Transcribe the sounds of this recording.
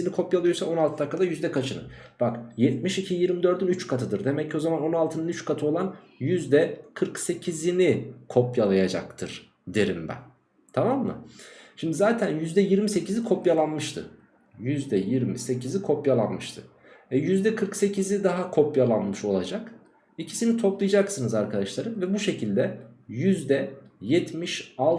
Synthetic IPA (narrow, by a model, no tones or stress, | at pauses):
inikʰo̞pjalˠɯjosaʔo̞nalˠt̪ʰɯd̪akːad̪ajyzd̪ɛkʰat͡ʃʰɯnɯ̰ | b̥akjɛt̪̚miʃicʰijiɾmid̪ø̞ɾd̪ynyt͡ʃkʰat̪ʰɯd̪ɯɾd̪e̞mɛcʰːo̞zamano̞nalˠt̪ʰɯnɯnyt͡ʃkʰat̪ʰɯo̞lˠan | jyzd̪ɛkʰɯɾkse̞cʰizinikʰo̞pjalˠajad͡ʒa̰k̚t̪ʰɯɾ̥ | d̪eɾimbæ̰n | t̪ʰamamːɯ̰ʃimd̪izaːt̪ʰænjyzd̪ɛjiɾmise̞cizikʰo̞pjalˠanmɯʃt̪ʰɯ̰ | jyzd̪ɛjiɾmise̞cʰizikʰo̞pjalˠanmɯʃt̪ʰɯ̰ | ɛjyzd̪ɛkʰɯɾkse̞cʰizid̪aɦakʰo̞pjalˠanmɯʃo̞lˠad͡ʒak | icʰi̥sinit̪ʰo̞plˠajad͡ʒaksɯnɯzaɾkʰad̪aʃlˠaɾɯmvɛbuʃe̞cʰilʲd̪ɛjyzd̪ɛjɛt̪ʰmiʃalˠ